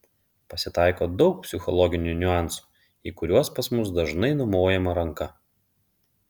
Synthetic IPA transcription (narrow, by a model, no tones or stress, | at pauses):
pɐsʲɪt̪ɑˑɪkoːd̪ɒʊk̚pʲsʲɪxɔlˠɔɡʲɪnʲunʲʊɑˑnsu̥ː | iːkʊɾʲuɔspɐsmʊs̬d̪ɐʒnɐɪnɔmoːjɛmɐɾɐŋkɐ